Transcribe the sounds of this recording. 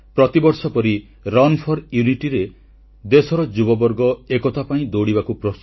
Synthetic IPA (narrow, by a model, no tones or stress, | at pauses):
pɾɔt̪ibɔɾsɔpɔɾi | ɾɔnpʰɔɾjuniʈiɾe | d̪esɔɾɔd͡ʒubɔbɔɾɡɔekɔt̪ʰapaĩd̪oɽibakupɾɔst̪